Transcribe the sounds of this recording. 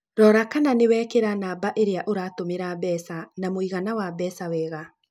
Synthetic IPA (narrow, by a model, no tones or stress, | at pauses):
ɾɔːɾakananewɛːkeɾanaːbaʔeɾeaʔoɾaːtomeɾabɛːsanamoiɣanawabɛːsawɛːɣa